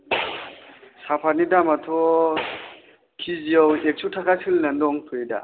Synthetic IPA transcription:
sapʰanidamatʰɔ | kʰiziɔwek̚sʰutʰakʰasilnandɔŋtʰɔjida̰

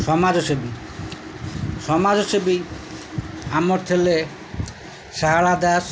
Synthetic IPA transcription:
ʃɔmad͡ʑoʃobi | ʃɔmad͡zoʃobi | amoɾt̪ʰele | ʃaɦaɭad̪as

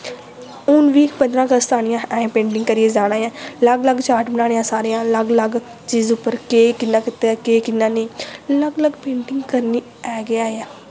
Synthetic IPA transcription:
ʊnʋiːpənd̪ɾãːɡəst̪ʰaːñɪjãːɛ̃ːpẽːɳɖɪ̃ŋɡkəɾɪeːd͡ʒaːɽ̃ãːjãːləɡləɡt͡ʃaːʈbənaːɽejãːsaːɾejãːləɡləɡ | t͡ʃiːzʊpːəɾkeːkɪnːãːkɪt̪ːeːaːkeːkɪnːãːneːləɡləɡpẽːɳʈɪŋɡkəɾniː | ɛːɡɪaːeaː

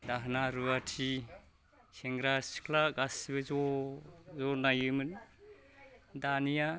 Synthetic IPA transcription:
daɦnaɾuatʰi | seŋɡɾasi̥kʰlaɡasibɯzɔ | zɔnajɯmɯn | danija

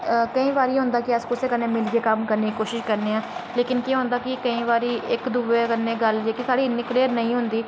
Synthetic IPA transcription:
kəĩːʋaːɾiːɦʊ̃nd̪aːkɪəskoseːkəɾneːmɪlɡeːkəmkəɾneːkikoːʃɪʃkəɾneːãːleːkɪnkj̃ːɦõːnd̪aːkɪkəĩːʋaːɾiːʔɪkd̪uːʋeːkənːeːɡəld͡ʒeːkisaːɽiːnɪkliːəɾnəĩːɦʊnd̪iː

